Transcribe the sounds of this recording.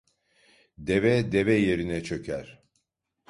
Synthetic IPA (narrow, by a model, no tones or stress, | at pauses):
d̪evɛd̪evɛje̞ɾinɛt͡ʃʰø̞cʰæɾ̥